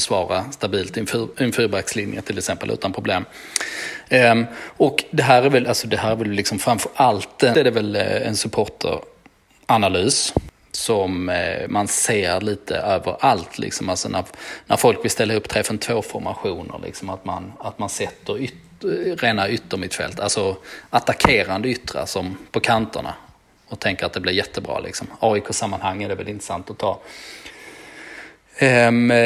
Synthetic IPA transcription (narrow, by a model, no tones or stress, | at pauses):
svɑːɾast̪abiːlt̪ɪnfɪnfʉːbækslɪnjə̰t̪ʰɪlɛksɛmpəlʉ̟̰ːt̪anpʰɾʊbleːm | ɔkd̪ɛɦæːɾæɾvɛlʔalsɔd̪ɛɦæːɾævɛllːɪksɔmfɾamfəɾʔalt̪ɛɛɖɛvɛlɛ̰nsɵpʰoːʈʰə̰ɾ | ʔanalyːs | sɔmmanseːɾliːt̪ʰə̰ʔøːvəɾalt̪ʰlʔɪ̰ksɔmalsɔnæɾnæɾfɔlkvɪlst̪ɛlːaɵpːt̪ʰɾɛːfənt̪ʰvoːfɔɾma̰ɧuːnə̰ɾɭʔɪ̰ksɔmat̪ma̰nat̪mansɛt̪ːəɾʏt̪ | ɾeːnaʏt̪ːəɾmɪt̪fɛ̰lt̪ʰalsɔat̪akʰeːɾand̪əʏt̪ːɾa̰sɔmpʰɔkʰant̪ə̰ɳa̰ | ɔt̪ʰɛŋkəɾat̪̚d̪ɛblɪɾjɛt̪ːəbɾɑ̰ːlɪ̰ksɔmɑːɪkʰoːsamːanhaŋːəd̪ɛvɛlɪnɾəsant̪ɔt̪ʰɑː